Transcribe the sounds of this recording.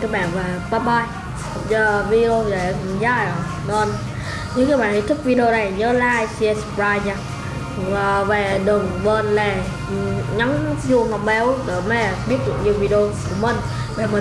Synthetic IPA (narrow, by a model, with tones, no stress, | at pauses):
kaː˨˦jɓa̰ː˧˨nvaː˨˩kaː˧ɓaː˧j | zəː˧˩vi˧o˧za˨˩˨zaː˧˩˨ | nɔ˧n | ɲɨ̰˧˥ŋkaː˨˦jɓaː˧˨nhi˨˧˦t̪ʰɨ˦˥k̚vi˧ɗe˧o˧na˨˩jɲəː˨˦la̰ː˧˨jsi˧ɛ˧˩spɹaː˧jɲaː˧˩˨ | ve˨˩ɗɨ˨˩əŋvəː˧˩nlɛ˨˩ | ɲa˨˦ŋzu˧əŋɔ˨˩k͡p̚ɓɛ˨˦wɗe˧˩mɛ˧˩ɓi˦˥ət̚zɨ̰˧˨ə˨ŋɲi˧əwvi˧ɗo˧ku˨˧˩əmi˨˩ŋ̟ | ɓe˨˩mə˨˩˨